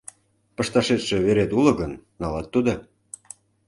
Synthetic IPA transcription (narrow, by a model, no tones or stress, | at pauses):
pəʃt̪ɑʃet̪ʃeβeɾet̪ulɤ̆ɡənːɑlɑt̪ːud̪o